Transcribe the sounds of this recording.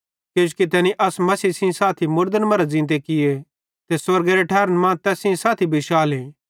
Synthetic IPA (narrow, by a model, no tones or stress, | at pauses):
keːd͡ʒukit̪ɛːniʔɐsmɐsiːsɪ̃saːt̪ʰimʊɾd̪ənmɐɾad͡zɪ̃nt̪ekɪje | t̪eswɐɾɡeɾeʈʰaːɾənmãːt̪ɛːsɪ̃saːt̪ʰibʱɪʃaːlẽː